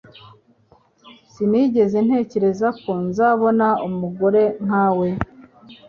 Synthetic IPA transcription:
siniːɟe̞ze̞n̥he̞ːce̞ɾe̞zako̞nzaːβo̞naumuɡo̞ɾe̞ŋ̥aːwe̞

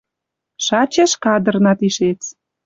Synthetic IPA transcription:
ʃɑt͡ɕeʃkɑd̪ə̆rnɑt̪iʃet͡s

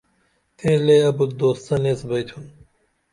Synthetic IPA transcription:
t̪ẽːleɐbut̪d̪oːst̪ɐneːsbɐjt̪ʰun

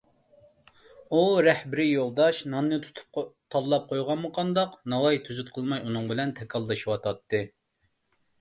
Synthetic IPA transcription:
uɾɛhbɪɾɪjolˠd̪ɑʃnɑnːɨt̪ʰu̥t̪ʰu̥p̚t̪ʰɑlˠlːˠɑp̚qʰojʁɑnmɨqʰɑnd̪ɑqnɑwɑjt̪ʰyzyt̪̚qʰəlˠmɑjunʊŋbɪlɛnt̪ʰɛkʰɑlˠːɨʃiwɑt̪ʰɑt̪ʰːɨ

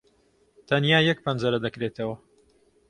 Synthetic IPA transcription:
t̪ʰɐnjaːjɐk̚pʰɐnd͡ʒɐɾɐd̪ɐkɾet̪ɐwɐ

